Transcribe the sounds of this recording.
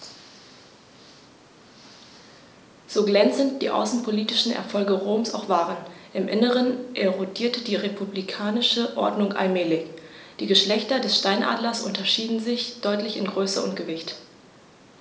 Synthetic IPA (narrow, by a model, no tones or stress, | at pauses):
z̥oːɡlɛnt͡sənt̚d̥ḭːʔa̰ʊsn̩pʰoliːtɪʃn̩ʔɛ̰ɐfɔlɡəʁoːmsa̰ʊxv̥aːʁənʔɪmʔɪnəʁənʔeʁodiːɐtəd̥iːʁepʰublikʰaːnɪʃəʔɔ̰ɐdnʊŋʔa̰lmɛːlɪçd̥iːɡəʃlɛçtɐdɛsʃtaɪnʔa̰ːdlɐsʔʊ̰ntɐʃiːdn̩zɪçd̥ɔʏtlɪçɪ̰nɡʁøːsə̰ʔʊ̰ntɡ̥əvɪçt